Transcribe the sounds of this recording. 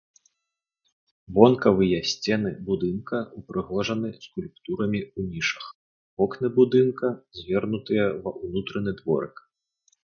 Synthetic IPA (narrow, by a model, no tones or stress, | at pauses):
vɔnkɐvɨjɐsʲt͡sʲɛnɨbud̪ɨnkɐupɾɨɣɔʐɐnɨskulʲp̚t̪uɾɐmʲiunʲiʂɐ̥x | ɔknɨbud̪ɨnkɐzʲvʲɛrnut̪ɨjɐvɐʔunut̪ɾɐnɨd̪vɔ̰ɾɨk